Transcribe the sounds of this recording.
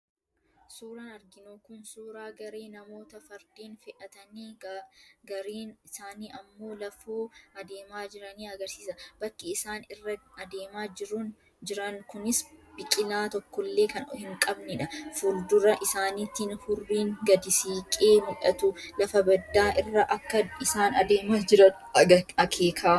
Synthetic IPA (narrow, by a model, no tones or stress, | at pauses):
suːɾɐnɐɾɡɪnoːkʊnsuːɾaːɡɐɾe̞ːnɐmo̞ːt̪ɐfɐɾd̪iːnfɛʔɐt̪ɐniː | ɡɐɾiːnɪsaːniːʔɐmːo̞ːlɐfoːɐd̪e̞ːmaːd͡ʒɪɾɐniːɐɡɐɾsiːsɐb̥ɐkːɪɪsaːnɪrːɐɐd̪e̞ːmaːd͡ʒɪɾun | d͡ʒɪɾɐŋkʊnɪsbɪkʼɪlaːt̪ɔkːɔlːe̞ːkɐnhɪŋkʼɐbnɛᶑɐfʊɾd̪ʊɾɐʔɪsaːnit̪ːɪnhʊrːiːŋɡɐd̪ɪsiːkʼeːmʊᶑɐ̰t̪ʊlɐfɐbɐd̪ːaːʔɪrːɐʔɐkːɐɪsaːnɐd̪eːmaːd͡ʒɪɾɐ | ɐkʰeːkʰaː